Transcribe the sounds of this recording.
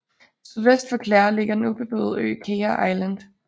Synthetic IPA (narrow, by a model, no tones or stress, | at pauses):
syðˠʋesd̥fɒ̽kʰlɑ̰ːɐle̝ɡ̥ɐd̥enub̥e̝b̥ø̰ːð̞̩ˠø̰ːkʰeɐʔɑ̈ɪlænd̥